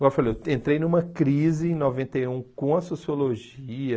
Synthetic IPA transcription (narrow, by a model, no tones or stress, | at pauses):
ɡawfalẽnt̪ɾejnũmɐkɾizɪẽj̃novẽnt̪ejũkõɐsosioloʒiɐ